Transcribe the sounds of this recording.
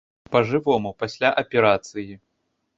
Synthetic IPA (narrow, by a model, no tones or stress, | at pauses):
pɐʐɨvɔmupɐsʲlʲaʔɐpʲɛɾat̪sɨji